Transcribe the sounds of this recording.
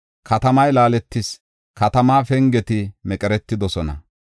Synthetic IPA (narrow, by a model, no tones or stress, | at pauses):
kʰɐt̪ɐmɐjlaːlɛt̪ːɪs | kɐt̪ɐmaːfɛŋɡɛt̪ɪmɛkʼɛɾɛt̪ːɪd̪ɔsɔnɐ̰